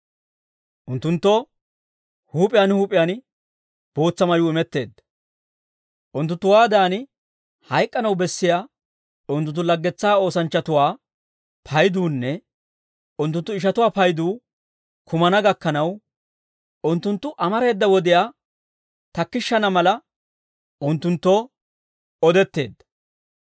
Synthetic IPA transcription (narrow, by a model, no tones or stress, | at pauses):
ʔʊnt̪ːʊnt̪ːɔ | huːpʼɪjaːnhuːpʼɪjaːn | b̥o̞ːt͡sːɐmɐjuːɪmɛt̪ːe̞ːd̪ːɐ̥ | ʔʊnt̪ːʊnt̪ːʊwaːd̪aːnɪ | hɐjkʼːɐnɐwbɛsːɪjaː | ʊnt̪̬ːʊnt̪̬ːʊlɐɡːɛt͡sːaːo̞ːsɐnt͡ʃːɐt̪ʊwaː | pʰɐjd̪uːnːɛ | ʊnt̪̬ːʊnt̪ːʊɪʃ̬ɐt̪ʊwaːpɐjd̪uː | kʰʊmɐnɐɡɐkːɐnɐw | ʊnt̪ːʊnt̪ːʊʔɐmɐɾe̞ːd̪ːɐwɔd̪ɪjaː | t̪ɐkːɪʃːɐnɐmɐlɐ | ʊnt̪ːʊnt̪ːɔ | ɔd̪ɛt̪ːe̞̰ːd̪ːɐ̥